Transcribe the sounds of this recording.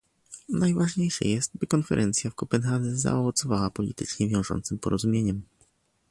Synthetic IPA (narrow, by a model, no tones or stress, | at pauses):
najvaʐɲejʂɛ̰jɛst̪̚bɘkɔnfɛɾʔɛnt̪sʲjafkɔpɛnxad̪ɛza̰ɔvɔt̪sɔvawapɔlʲḭt̪ɘt͡ʂɲɛvʲjɔ̃w̃ʐɔ̰nt̪sɘmpɔɾɔzumʲjeɲɛm